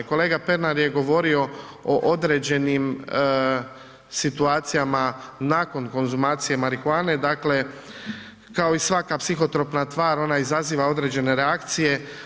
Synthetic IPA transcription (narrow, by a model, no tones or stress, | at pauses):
ko̞le̞ːɡape̞ɾnaɾje̞ɡo̞ʋo̞ɾio̞ | oʔod̪ɾe̞ːd͡ʑe̞nim | sit̪uaːt̪sijamanaːko̞nko̞nzumaːt̪sije̞maɾikuaːne̞d̪akle̞ | kao̞isʋakapsixo̞t̪ɾo̞pnat̪ʋaːɾo̞naizaziːʋao̞d̪ɾe̞ːd͡ʑe̞ne̞ɾeakt̪sije̞